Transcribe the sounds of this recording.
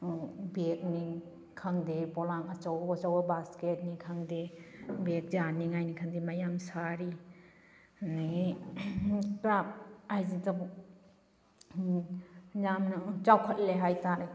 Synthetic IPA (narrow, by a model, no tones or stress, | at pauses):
bek̚ni | kʰaŋdepɔlaŋɐt͡ʃɔwɐt͡ʃɔwɐbasket̚nikʰaŋdebek̚zaniŋajnikʰaŋdimajamsaɾi | nai | kɾap̚ajzitap | jamnt͡ʃawkʰət̚leɦajtaɾa